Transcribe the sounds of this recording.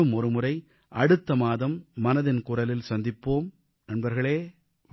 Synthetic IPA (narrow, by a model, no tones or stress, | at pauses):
ɯmɔɾɯmʊrɐɪ | ʔɐɽɯt̪ːɐmaːðɐmːɐnɐðɪnkʊrɐlɪlsɐnd̪ɪpːoːm | nɐnbɐɾɣɐɭeː